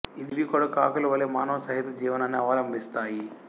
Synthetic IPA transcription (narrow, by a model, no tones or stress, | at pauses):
iniʋikɔɽɐkaːkɐluʋɐlːeːmaːnɐʋɐsɐɦit̪ud͡ʒiːʋɐnaːnːiɐʋaːlɐmbist̪aːji